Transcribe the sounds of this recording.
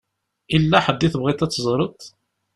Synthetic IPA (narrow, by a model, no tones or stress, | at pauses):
ilːæħəd̪ːiθəbʁit̪æt͡sːzˤɾˤət̪ˤ